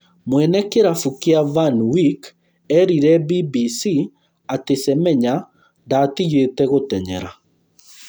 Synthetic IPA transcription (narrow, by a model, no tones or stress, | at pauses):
mwɛnɛkeɾafukeavanwik | ɛɾiɾɛbibisi | atesɛmɛɲa | ndatiɣetɛɣotɛɲɛ̰ɾa̰